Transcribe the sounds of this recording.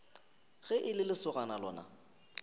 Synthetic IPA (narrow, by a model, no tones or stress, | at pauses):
ɣɛʔɪlɪlɪsʊɣanalɔ̰ːna̰